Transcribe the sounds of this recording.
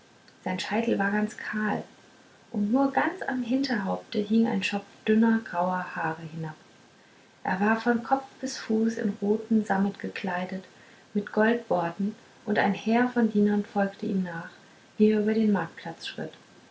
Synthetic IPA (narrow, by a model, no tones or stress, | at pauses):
z̥aɪnʃaɪtl̩vaːɐɡant͡skʰaːl | ʔʊntnuːɐɡant͡sa̰mɦɪntɐɦaʊp̚təɦɪŋa̰ɪnʃɔpd̥ʏnɐɡʁaʊɐhaːʁəhɪnap | ʔḛːɐvaːɐfɔnkʰɔp͡fb̥ɪsfuːsɪ̰nʁoːtn̩zaml̩tɡ̥əkʰl̥aɪdət | mɪtɡ̥ɔlt̚b̥ɔɐtn̩ | ʔʊnta̰ɪnhɛːɐfɔndiːnɐnfɔlktʰəḭːmnaːχ | v̥iːɛɐʔyːbɐdeːnmaɐk̚t̚pʰl̥at͡sʃʁ̥ɪ̰t